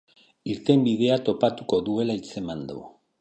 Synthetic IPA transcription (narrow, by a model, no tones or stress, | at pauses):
iɾt̪e̞mbiðe̞at̪o̞pat̪uko̞ðue̞lait͡se̞mand̪o